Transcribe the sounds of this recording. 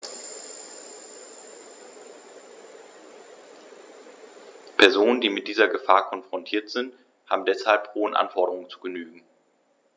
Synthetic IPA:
pʰɛɐzoːnəndiːmɪt̚d̥iːzɐɡəfaːɐkʰɔnfʁ̥ɔntʰiːɐtz̥ɪnt | ha̰ːbm̩dɛshalphoːənʔa̰nfɔɐɾəʁʊŋət͡su̥ɡənyːɡŋ̩

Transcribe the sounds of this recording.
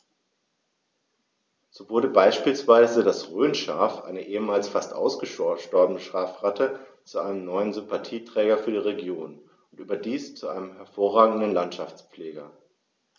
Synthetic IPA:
z̥oːvʊɐɾəbaɪʃpiːlsv̥aɪzədasʁøːnʃa̰ːfʔa̰ɪnəʔeːəmaːlsfastʔa̰ʊsɡ̥əʃɔʃtɔɐbənəʃʁ̥aːfʁatə | t͡suʔaɪnəmnɔʏənzʏmpatʰiːtʁ̥ɛːɡɐfyːɐdiːʁeɡjoːn | ʊntʔyːbɐdiːst͡suʔa̰ɪnəmhɛɐfoːɐʁaːɡŋ̩dən̩lantʃaft͡sp͡fleːɡɐ

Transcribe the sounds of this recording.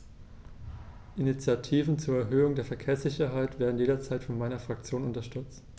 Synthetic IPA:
ʔinit͡sjatʰiːvn̩t͡suːɐɛɐɦøːʊŋdeːɐfɛɐkʰeːɐsz̥ɪçɐɦaɪtv̥eːɐdn̩jeːdɐt͡saɪtfɔnmaɪnɐfʁ̥ak̚t͡sjoːnʊntɐʃtʏɐt͡st

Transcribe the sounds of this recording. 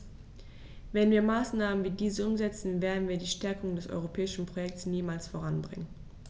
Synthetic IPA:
vɛnviːɐmaːsnaːmənviːdiːzəʊmzɛt͡sn̩veːɐdn̩viːɐdiːʃtɛɐkʊŋdɛsʔɔ̰ʏʁ̞opʰɛːɪʃn̩pʁ̥ojɛk̚tsniːmaːlsfoʁ̞anbʁɪŋən

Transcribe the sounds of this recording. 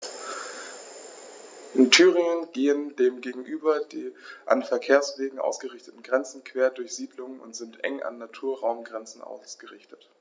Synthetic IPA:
ʔɪntʰyːʁɪŋənɡeːəndeːmɡeːɡŋ̩ʔyːbɐdeːʔa̰nfɛɐkʰeːɐsv̥eːɡŋ̩ʔa̰ʊsɡ̥əʁɪçtətn̩ɡʁɛnt͡sn̩kʰv̥eːɐdʊɐçz̥iːdlʊŋənʊ̰ntz̥ɪntʔɛ̰ŋʔa̰nːatʰuːɐʁaʊmɡʁɛnt͡sn̩ʔa̰ʊsɡ̥əʁɪçtət

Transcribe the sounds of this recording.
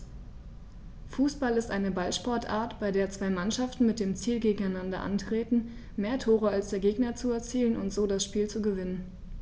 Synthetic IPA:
fuːsb̥alɪstʔaɪnəbalʃpɔɐtʔa̰ːɐtb̥aɪdeːɐt͡sv̥aɪmanʃaftn̩mɪt̚d̥eːmt͡siːlɡeːɡŋ̩aɪnandɐ̰ʔa̰ntʁ̥eːtn̩ | meːɐtʰoːʁ̞əalsd̥eːɐɡeːɡnɐt͡suɛɐt͡siːlənʊ̰ntz̥oːdasʃpiːlt͡suɡəvɪnən

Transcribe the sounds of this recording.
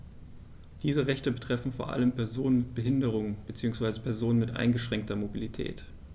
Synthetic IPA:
d̥iːzəʁɛçtəbətʁ̥ɛfn̩foːɐʔa̰ləmpʰɛɐzoːnənmɪt̚b̥əɦɪndəʁ̞ʊŋb̥ət͡siːʊŋsv̥aɪzəpʰɛɐzoːnənmɪtʔa̰ɪnɡəʃʁ̥ɛŋk̚tɐmobilitʰɛ̰ːt

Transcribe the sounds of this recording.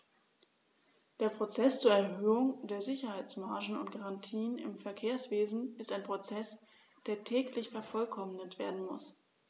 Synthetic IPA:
d̥eːɐpʁ̥ot͡sɛst͡suːɐɛɐhøːʊŋdeːɐzɪçɐhaɪt͡smaɐʒn̩ʊ̰ntɡ̥aʁantʰiːənɪ̰mfɛɐkʰeːɐsv̥eːzn̩ɪstaɪnpʁ̥ot͡sɛs | d̥eːɐtʰɛːklɪçfɛɐfɔlkʰɔmnətv̥eːɐdn̩mʊ̰s

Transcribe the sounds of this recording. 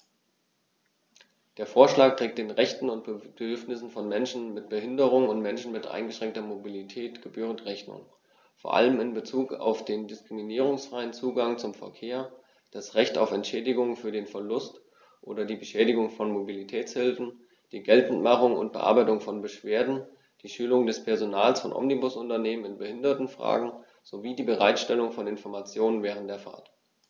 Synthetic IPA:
d̥eːɐfoːɐʃlaːk̚tʁ̥eːk̚td̥eːnʁɛçtn̩ʊntb̥ədədʏɐfnɪsn̩fɔnmɛnʃn̩mɪt̚b̥əɦɪndəʁ̞ʊŋʊntmɛnʃn̩mɪtʔa̰ɪnɡəʃʁ̥ɛŋk̚tɐmobilitʰɛːtɡ̥əbyːʁ̞əntʁɛçnʊ̰ŋ | foːɐʔa̰ləmɪnbət͡suːka̰ʊfd̥eːndɪskʁ̥iminiːʁ̞ʊŋsfʁ̥aɪənt͡suːɡaŋt͡sʊmfɛ̰ɐkʰeːɐ | d̥asʁɛçta̰ʊfɛntʃɛːdɪɡʊŋfyːɐdeːnfɛɐlʊst | ʔoːdɐdiːbəʃɛːdɪɡʊŋfɔnmobilitʰɛːt͡shɪlfn̩ | d̥iːɡɛltn̩tmaχʊŋʊ̰nt̚b̥ə̰ʔa̰ɐbaɪtʊŋfɔnbəʃv̥eːɐdn̩ | d̥iːʃyːlʊŋdɛspʰɛɐzonaːlsfɔnʔɔ̰mnibʊsʔʊntɐneːmənɪnbəhɪndɐtn̩fʁ̥a̰ːɡŋ̩ | z̥oviːdiːbəʁ̞aɪtʃtɛlʊŋfɔnɪnfɔɐmat͡sjoːnənvɛːʁ̞əntd̥eːɐfa̰ɐt

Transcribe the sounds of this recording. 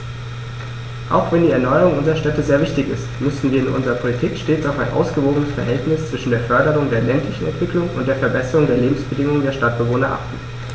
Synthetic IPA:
ʔa̰ʊxv̥ɛndiːɛɐnɔʏəʁʊŋʔʊnzəʁɐʃtɛtəzeːɐvɪçtɪçɪ̰stmʏsn̩viːɐɪnʔʊ̰nzəʁɐpʰolitʰiːkʃteːt͡saʊfaɪnʔa̰ʊsɡ̥əvoːɡənəsfɛɐɦɛltnɪst͡sv̥ɪʃn̩deːɐfœɐdəʁʊŋdeːɐlɛntʰlɪçn̩ɛ̰ntv̥ɪklʊŋʊ̰ntd̥eːɐfɛɐbɛsəʁʊŋdeːɐleːbm̩sb̥ədɪŋʊŋəndeːɐʃtat̚b̥əvoːnɐʔa̰χtn̩

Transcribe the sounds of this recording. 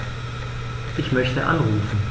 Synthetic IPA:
ʔɪçmœçtəʔa̰nʁuːfn̩

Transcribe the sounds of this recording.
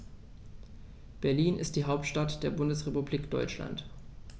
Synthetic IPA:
b̥ɛɐliːnʔɪ̰st̚d̥iːɦaʊp̚tʃtatd̥eːɐbʊndəsʁepubliːkd̥ɔ̰ʏt͡ʃla̰nt

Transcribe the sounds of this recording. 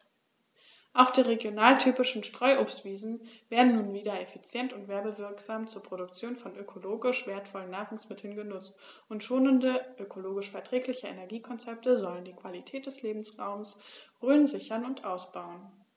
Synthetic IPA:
ʔaʊxd̥iːʁeɡjonaːltʰyːpɪʃn̩ʃtʁ̥ɔʏʔoːpstv̥iːzn̩veːɐdn̩nuːnviːdɐefit͡sjɛntʊntv̥ɛɐbəvɪɐkz̥aːmt͡suːɐpʁ̥oɾʊkt͡sjoːnfɔnʔøkʰoloːɡɪʃv̥eːɐtfɔlənːaːχʊŋsmɪtʰl̩n̩ɡənʊt͡st | ʊntʃoːnəndəʔøkʰoloːɡɪʃfɛɐtʁ̥ɛːklɪçəenɛɐɡiːkʰɔnt͡sɛp̚təzɔləndiːkv̥alitʰɛːt̚d̥ɛsleːbm̩sʁaʊmsʁøːnzɪçɐnʊntʔaʊsb̥aʊən

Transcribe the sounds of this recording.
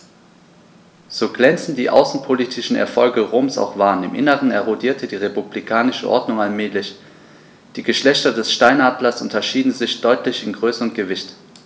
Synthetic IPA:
z̥oːɡlɛnt͡sn̩d̥iːʔa̰ʊsn̩pʰoliːtʰɪʃn̩ɛ̰ɐfɔlɡəʁoːmsa̰ʊxv̥aːɐnɪ̰mʔɪ̰nəʁənɛɐʁodiːɐtʰədiːʁepublikʰaːnɪʃəʔɔ̰ɐdnʊŋalmɛːlɪç | d̥iːɡəʃlɛçtɐdɛsʃtaɪnaːdlɐsʔʊntɐʃiːdn̩zɪçd̥ɔʏtʰlɪçɪnɡʁøːsəʁənɡ̥əvɪçt

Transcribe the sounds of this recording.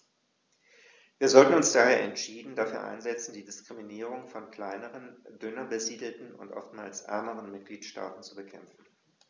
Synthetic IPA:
viːɐzɔltn̩ʊnsd̥aːheːɐʔɛ̰ntʃiːdn̩dafyːɐʔa̰ɪnzɛt͡sn̩diːdɪskʁ̥iminiːʁʊŋfɔnkl̥aɪnəʁəndʏnɐbəziːdl̩tn̩ʊ̰ntʔɔ̰ftma̰ːlsʔɛ̰ɐməʁənmɪt̚ɡ̥liːtʃta̰ːtn̩t͡subəkʰɛmfn̩

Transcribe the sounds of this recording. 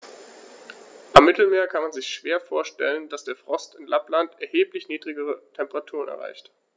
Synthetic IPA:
ʔamːɪtl̩meːɐkʰanmanzɪçʃv̥eːɐfoːɐʃtɛlənd̥asd̥eːɐfʁ̥ɔstɪnlʔaplantʔɛɐheːplɪçniːdʁɪɡəʁ̞ətʰɛmpəʁatʰuːʁənɛ̰ɐʁa̰ɪçt

